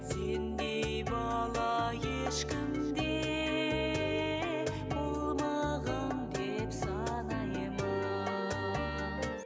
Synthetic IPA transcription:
se̞nd̪e̞jbɑlˠɑjeʃkʲɪmd̪e | bolˠmɑʁənd̪e̞psɑnɑjəmɑ

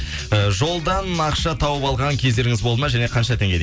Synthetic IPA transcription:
əʒo̞lˠd̪ɑnɑqʃɑt̪ʰɑwəpɑlˠʁɑŋkʲʰe̞zd̪e̞ɾɪŋɪzbolˠmɑʒæne̞qʰɑnʃɑt̪ʰeŋɡʲed̪

